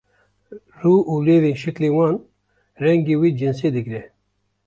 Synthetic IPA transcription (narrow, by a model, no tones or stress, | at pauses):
ruːʔuːleːveːnʃɛkleːwɑːn | rɛŋɡeːwiːd͡ʒɨns̬eːd̪ɨɡɾɛ